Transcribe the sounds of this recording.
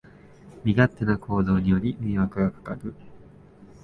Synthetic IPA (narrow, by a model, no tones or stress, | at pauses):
mʲiɡat̪ːe̞nakʰo̞ːd̪o̞ːɲ̟ijo̞ɾʲimʲĩːβakɯ̟ɡakḁkaɾɯ